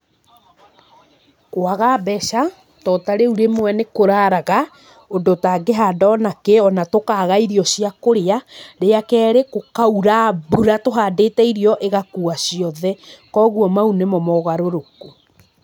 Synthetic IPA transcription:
waɣabɛʃa | tɔtaɾeuɾemwɛnekoɾaɾaɣa | ondotaɡeɦadɔnakeɔnatokaːɣaiɾiɔsiakoɾeaɾeakɛːɾekokauɾabuɾatoɦaːdeːtɛiɾiɔʔeɣakuasiɔðɛkɔɣuɔmaunemɔmɔɣaɾoɾoko

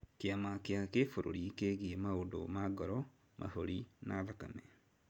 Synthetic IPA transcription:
kjamakjakefoɾo̰ɾikeːɣiemaodo̰maɡɔɾɔ | mʔa̰hoɾina̰ðaka̰mɛ

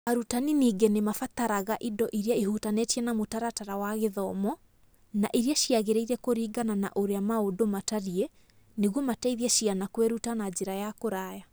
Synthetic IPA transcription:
aɾutaniniːɡenemafataɾaɣaʔidɔʔiɾiaihuːtanetiɛnamotaɾataɾawaɣeðɔmɔ | naʔiɾiaʃiaɣeɾeiɾɛkoɾiːɡanana̰ʔoɾeamaodomataɾiɛ | neɣwɔmataiðiɛʃianakwɛɾutanad͡ʑeɾajakoɾaːja

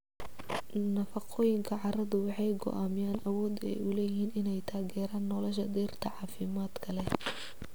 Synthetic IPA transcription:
nɐfɑqʰɔːjɪŋkʰɐʕɑrɐðʊwɑħɑjɡɔ̰ʔaːmɪjaːnʔɐwɔːd̪ɛ̰jʔʊlɛjɪhiːnɪnɛjt̪ʰaːɣɛːɾaːnːɔlɔʃɐd̪iːrt̪ʰɐʕɑːfɪmaːd̪kʰɐlɛ

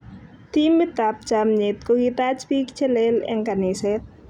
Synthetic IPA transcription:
t̪imːit̪ap̚d͡ʒ̥amɲɪt̪̚kokit̪at͡ʃpik̚t͡ʃəlelɪ̰ŋkanisɛt̪̚

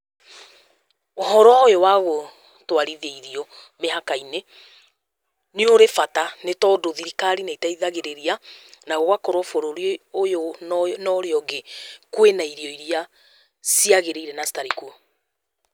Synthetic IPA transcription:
oɦɔɾɔaojowaɣo | twaɾiðeiɾiɔ | meɦakaine | neoɾefatanetɔdoðiɾikaɾinaitaiðaɣeɾeɾianaɣoɣwakɔɾwɔfoɾoɾojonɔɾeɔɡekwenaiɾiɔiɾia | siaɣeɾeiɾɛnasi̥taɾiku

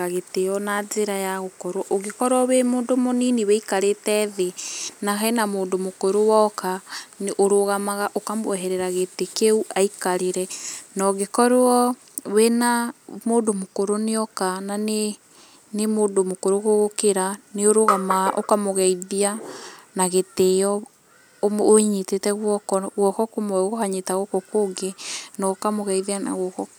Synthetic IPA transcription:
aɣetejɔnazeɾajaɣokɔɾwɔʔoɣekɔɾɔwemoːndomoniniweikaɾetɛðenaɦɛnamoːndomokoɾowɔkaneʔoɾoɣamaɣaʔokamwɛɦɛɾɛɾaɣetekeuʔaikaɾeɾɛnaoɣekɔɾɔ | wenamoːdomokoɾoneɔkanane | nemoːdomokoɾoɣoɣokeɾaneoɾoɣamaɣaʔokamoɣɛiðianaɣetejɔ | omoɲetetɛɣwɔkɔɣwɔkɔkomɔɣohaɲetaɣokokoːŋɡenɔokamoɣɛiðeana̰ɣwɔkɔ

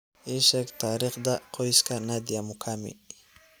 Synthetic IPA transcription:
ɪʃakt̪aɾɪχd̪aqʰojskanad̪jamʊkʰamɪ̰

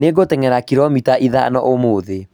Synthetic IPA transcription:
neɡoteŋɛɾakiɾɔmitaʔiða̰nɔ̰ʔomoːðe

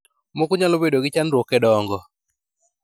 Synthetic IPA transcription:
mokʊɲalobedoɡɪt͡ʃanɾwokɛdɔŋɡɔ

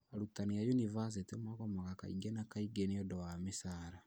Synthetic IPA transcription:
aɾutanijajunivas̬etimakɔmaɣaka̰ḭŋɡenakaiɡeniɔdɔwamesaːɾa

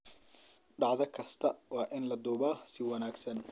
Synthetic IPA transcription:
ɖɑʕðɐkʰɐst̪ʰɐwɑːʔɪnlɐd̪uːbaːsɪwɐnaːɡsɐn

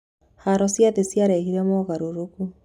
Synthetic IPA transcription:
haɾɔsjaðesjaɾɛhiɾɛmɔɣaɾoɾoku

